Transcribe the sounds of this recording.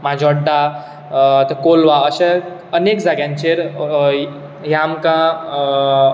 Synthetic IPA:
mãd͡ʑɔɖa | t̪ekolʋaəɕa | ənekd͡zaɡjãnt͡ʃeɾ | jamkã

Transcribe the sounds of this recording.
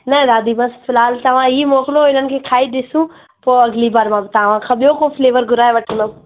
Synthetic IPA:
nɐɾaːd̪imɐsfɪlaːlt̪ɐʋ̤ãiːmoːkɪloɪn̤ənɪ̆kʰeːkʰaːiɗɪsũ | poːɐɡlibaːɾmãbɪt̪ɐʋ̤ãxɐɓjokofɪleːʋəɾɡʊɾaːeʋɐʈʰə̃nd̪o

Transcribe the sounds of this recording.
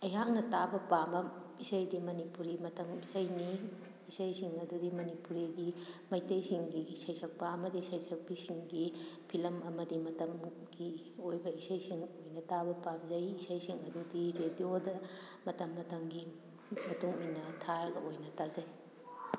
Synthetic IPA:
ɐjɦak̚nɐtabɐpamɐ | isɐjdimɐnipuɾimɐtɐmisɐjni | isɐjsiŋɐdudimɐnipuɾiɡimɐjtɐjsiŋɡisɐjsɐk̚pɐɐmɐdisɐjsɐk̚bisiŋɡipʰilɐmɐmɐdimɐtɐm | ɡi | ojbɐisɐjsiŋojnɐtabɐpamzɐjisɐjsiŋɐdudiɾediodɐ | mɐtɐmːɐtɐmɡi | mɐtuŋojnɐtʰaɾɡɐʔojnɐtazɐj

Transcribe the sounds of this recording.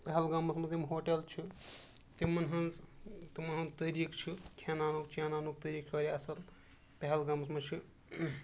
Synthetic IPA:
peɦɐlɡamɐsmɐzimɦoːʈelt͡ʃʰi | t̪imɐnɦɐnt͡st̪imɐnɦɐnt̪əɾikt͡ʃʰikʰenaːnukt͡ʃʰeːnaːnuk̚t̪əɾiːk̚t͡ʃʰɐɾiɐsɐl | peɦɐlɡamɐsmɐt͡ʃʰi

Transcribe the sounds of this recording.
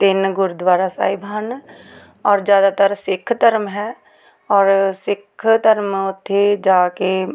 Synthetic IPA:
t̪ɪnɡʊɾd̪ʋaːɾaːsa̰ːibʱən | ɔːɾd͡ʒjaːd̪aːt̪əɾsɪkʰːt̪əɾmɦɛː | ɔːɾsɪkʰt̪əɾmʊt̪ʰːed͡ʒaːkeː

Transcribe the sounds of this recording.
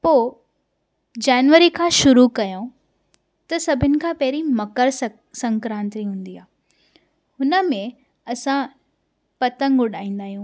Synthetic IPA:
poː | d͡ʑaːnʋəɾikʰãːʃʊɾukɐjõ | t̪ɐsɐbʱɪnɪ̆kʰãːpɐɦɪɾimɐkəɾs | sɐ̃ŋkɾãːnt̪ɾiɦũːn̆d̪iaː | hʊnə̆mẽ | ɐsã | pɐt̪ə̃ŋɡʊɗaːĩːnd̪aːɦijũː

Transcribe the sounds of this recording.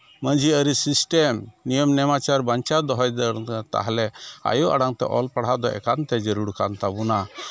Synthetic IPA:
məɲd͡ʒiəɾisisʈemnijəmnɛmat͡ʃaɾbaɲt͡ʃad̪ɔɦɔjd̪əɾt̪a̰ɦalɛa̰juʔa̰ɽaŋt̪ɛ̰ʔɔlpaɽ̤ɦad̪ɔʔɛ̰kant̪ɛd͡ʒəɾuɽkant̪abuna

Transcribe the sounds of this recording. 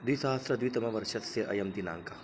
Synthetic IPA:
d̪uisɐɦɐst̪ɾɐd̪uit̪ɐmɐʋɐɾʃɐt̪seʔɐ̰jɐmd̪ina̰ːŋka

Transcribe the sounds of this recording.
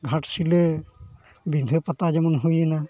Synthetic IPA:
ɡʱatsilɛ | bind̪ʱɯpat̪azɛmɔnɦujɛna

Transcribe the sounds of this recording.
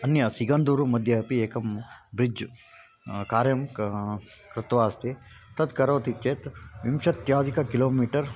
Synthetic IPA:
ɐnjɐsiɡɐnd̪uːɾumɐd̪ʱjɐɐpieːkɐmbɾid͡ʒ | kaːɾjɐm | kɾɪt̪ʋaːst̪e | t̪ɐd̪kɐɾoːt̪ʰit͡ʃeːt̪ʋimʃɐt̪jaːd̪ikɐkiloːmiːʈɐɾ

